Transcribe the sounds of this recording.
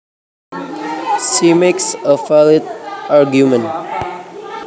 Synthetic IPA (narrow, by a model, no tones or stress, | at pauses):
simeksəfalɪt̪̚aɹɡjumə̃n